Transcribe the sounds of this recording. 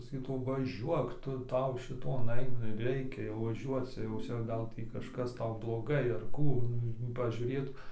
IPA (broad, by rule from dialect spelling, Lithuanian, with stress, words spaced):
sɐˈkʲiːtuː ʋɐˈʒʲuɔk ˈtʊ ˈtɐʊ ʃʲɪˈtoːn ˈɐɪ nʊ ɪr ˈrʲɛɪkʲɛ jɛʊ ʋɐˈʒʲuɔt͡s jɛʊ ˈt͡sʲɛ ˈɡɐlˠ ˈtʲiː kɐʃˈkɐs ˈtɐʊ blˠoːˈɡɐɪ ɐr ˈkuː pɐʒʲuːrʲeːtʊ